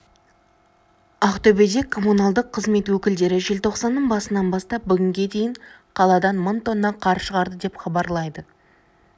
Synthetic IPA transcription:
ɑχt̪ɵbed̪e̞kʰːo̞munɑlˠd̪əqʰːəzme̞t̪wɵkʲɪld̪e̞ɾɪʒe̞lt̪ʰo̞qsɑnːəɴbɑsənɑnbɑst̪ɑp̚bʏɡʲɪŋɡʲe̞d̪e̞jɪɴ | qʰɑlˠɑd̪ɑnmənt̪o̞nːɑɴqʰɑɾʃəʁɑɾd̪əd̪e̞pχɑbɑɾlˠɑjd̪ə

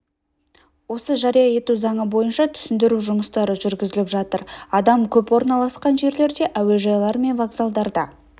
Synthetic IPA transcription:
wo̞səʒɑɾijɑje̞t̪uzɑɴəbo̞jənʃɑt̪ʰʏ̥sɪnd̪ɪɾuʒʊməst̪ɑɾəʒʏɾɡʲɪzɪlɪpʒɑt̪əɾɑd̪ɑmkʲʰɵpwo̞ɾnɑlˠɑsqɑnʒe̞ɾle̞ɾd̪e̞ʔæwe̞ʒɑjlˠɑɾme̞nvaɡzalˠd̪ɑɾd̪ɑ

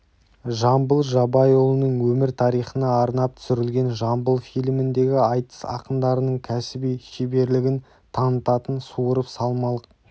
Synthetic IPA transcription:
ʒɑmbəlˠʒɑbɑjolˠənəɴwɵmɪɾt̪ʰɑɾijχənɑːɾnɑp̚t̪ʰʏ̥sʏɾɪlɡʲe̞nʒɑmbəlˠfijlmɪnd̪e̞ɡʲɪɑjt̪ə̥sɑ̰qəmd̪ɑɾənəɴkʲʰæsɪbijʃebe̞ɾlɪɡʲɪn | t̪ʰɑnət̪ɑt̪ənsuəɾəpsɑlˠmɑlˠəq̚

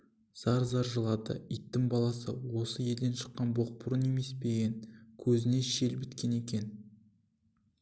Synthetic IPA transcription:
z̥ɑɾzɑɾʒəlˠɑd̪ə̰ijt̪ːɪŋbɑlˠɑsəwo̞səje̞ld̪e̞nʃə̥qːɑnboq̚pʊɾəne̞me̞sbe̞ɡʲenkʲʰɵzɪne̞ʃe̞lbɪt̪kʲe̞ne̞kʲe̞n

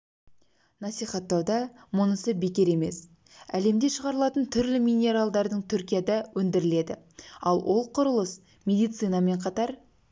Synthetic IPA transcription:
nɑsijχɑt̪ːɑwd̪ɑmʊnəsəbe̞kʲe̞ɾe̞me̞s | æ̰le̞md̪e̞ʃəʁɑɾəlˠɑt̪ənt̪ʰʏɾlɪmʲijnʲe̞ɾalˠd̪ɑɾd̪əɴt̪ʰʏɾkʲijad̪ɑwʔɵnd̪ɪɾɪle̞d̪ɪ̰ | ɑ̰lˠwʔo̞lˠqʰʊɾəlˠəs | mʲe̞d̪ijt̪sɨjnɑme̞ɴqʰɑt̪ɑɾ

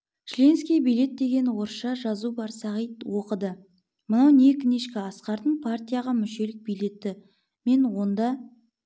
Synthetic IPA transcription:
ʃlʲe̞nskʲijbijle̞t̪̚d̪e̞ɡʲe̞nwo̞ɾʃɑʒɑzubɑɾsɑʁijt̪wo̞qəd̪ə | mənɑwne̞kʲɪne̞ʃkʲɪɑsqɑɾt̪ənpʰart̪ʲijaʁɑmʏʃe̞lɪk̚bijle̞t̪ːɪ | me̞nwo̞nd̪ɑ

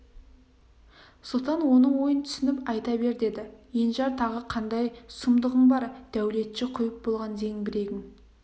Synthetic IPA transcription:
sot̪ɑnwo̞nəɴwo̞jənt̪ʰʏ̥sɪnɪpɑjt̪ɑbe̞ɾd̪e̞d̪ɪjenʒɑɾt̪ʰɑʁəqʰɑnd̪ɑjsʊmd̪əʁəmbɑɾd̪̥æwle̞t̪ʃɪqʰʊjəp̚bo̞lˠʁɑnd̪e̞ŋbɪɾe̞ɡʲɪŋ

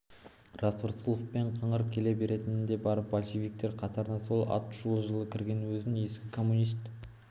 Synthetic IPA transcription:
rɑsəɾsulˠofpe̞ɴqʰɑɴəɾ̚kʲʰe̞le̞be̞ɾe̞t̪ɪnɪnd̪e̞bɑɾəp̚bolʲʃevʲijk̚t̪eɾqʰɑt̪ɑɾənɑso̞lˠɑ̰t̪ʒ̥ulˠʒəlˠəkʲʰɪɾɡʲe̞nwɵzɪne̞skʲɪkʰo̞mːunist̪

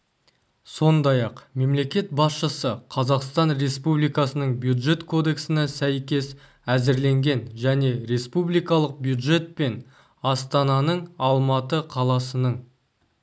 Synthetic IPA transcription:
so̞nd̪ɑjɑqme̞mle̞kʲe̞t̪̚bɑsʃəsəqʰɑzɑqst̪ɑnɾe̞spublijkɑsənəɴbjud̪ʒe̞t̪kʰo̞d̪e̞ksɪnɪsæjkʲe̞s | æzɪɾle̞ŋɡʲe̞nʒæne̞ɾe̞spublijkɑlˠəq̚bjud̪ʒe̞t̪̚pe̞n | ɑst̪ɑnɑnəɴɑlˠmɑt̪əqʰɑlˠɑsənəɴ

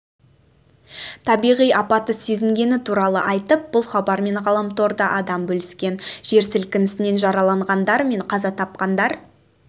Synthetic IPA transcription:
t̪ʰɑbijʁijɑpɑt̪əse̞zɪŋɡʲe̞nɪt̪ʰuɾɑlˠə̰ʔɑjt̪əp̚b̥ʊlˠχɑbɑɾme̞ɴʁɑlˠɑmt̪o̞ɾd̪ɑʔɑd̪ɑmbɵlɪskʲe̞nʒ̥e̞ɾsɪlkʲɪnɪsɪne̞nʒɑɾɑlˠɑɴʁɑnd̪ɑɾme̞ɴqʰɑzɑt̪ʰɑp̚qɑnd̪ɑɾ

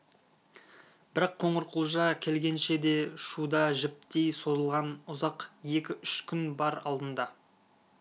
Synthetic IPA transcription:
b̥ɪɾɑqʰːo̞ɴəɾqʰəlˠʒɑkʲʰe̞lɡʲe̞nʃe̞d̪e̞ʃud̪ɑʒɪp̚t̪ejso̞zəlˠʁɑnʊzɑqje̞kʲɪʏʃkʲʰʏnbɑɾɑ̰lˠd̪ənd̪ɑ

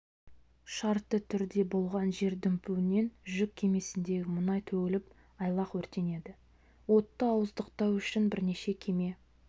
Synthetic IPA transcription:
ʃɑɾt̪ːət̪ʰʏɾd̪e̞bo̞lˠʁɑnʒe̞ɾd̪ʏmpuwɪne̞nʒʏk̚ʲʰːe̞me̞sɪnd̪e̞ɡʲɪmənɑjt̪ʰɵɡʲɪlɪp | ɑjlˠɑqwɵɾt̪e̞ne̞d̪ɪ | wo̞t̪ːəɑwəzd̪əqt̪ɑwʏʃɪnbɪɾne̞ʃe̞kʲʰe̞me̞

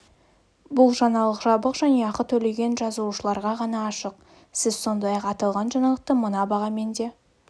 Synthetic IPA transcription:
bʊlˠʒɑnɑlˠəqʒɑbəqʒæne̞ɑqət̪ʰɵle̞ɡʲe̞nʒɑzuʃəlˠɑɾʁɑʁɑnɑːʃəq | sɪz̥so̞nd̪ɑjɑqɑt̪ɑlˠʁɑnʒɑnɑəqt̪əmənɑbɑʁɑme̞nd̪e̞

